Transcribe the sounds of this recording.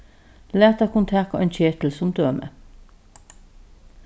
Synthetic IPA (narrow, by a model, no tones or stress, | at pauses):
læːt̪əkʰʊnt̪ʰæko̰ʔeːnçeːt̪l̩sʊmd̪øːmḛ